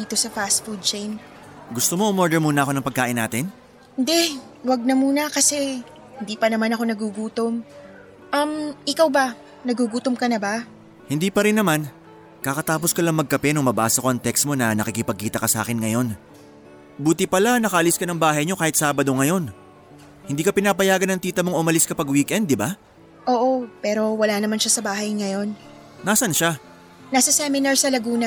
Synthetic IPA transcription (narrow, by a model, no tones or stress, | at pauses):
iːt̪o̞sɐfast̪fud̪̚t͡ʃejn | ɡʊst̪omo̞ʊmoɹd̪ɛɹmuːnɐʔɐko̞nɐŋpɐɡ̚kːaːʔɪnːaːt̪ɪn | hɪnd̪ɛ | wɐɡ̚nɐmuːnɐkɐsɛ | hɪnd̪iːpɐnɐmanɐko̞nɐɡuɡuːt̪om | ʔɐmʔɪkawbɐ | nɐɡuɡuːt̪omkɐnɐba | hɪnd̪iːpɐɾɪnːɐman | kɐkɐt̪aːp̬o̞skɐlɐŋmɐɡ̚kɐpɛnʊŋmɐba̰ːsɐkoɐŋt̪ɛksmo̞nɐnɐkɪkɪpɐɡ̚kiːt̪ɐkɐsa̰ːkɪnŋɐjo̞n | buːt̪ɪpɐlanɐkɐʔɐlɪskɐnɐŋbaːɦɐjɲo̞kaːhɪt̪̚saːbɐd̪o̞ŋɐjo̞n | hɪnd̪iːkɐpɪnaːpɐjaːɡɐnɐŋt̪iːt̪ɐmoŋʔʊmɐlɪskɐpɐɡwikʔɛnd̪ːɪba | ʔo̞ːʔo̞pɛːɾo̞wɐlanɐmanʃasɐbaːɦɐjŋɐjo̞n | naːsɐnʃa | nasɐsɛmɪnaɹsɐlɐɡuːnɐ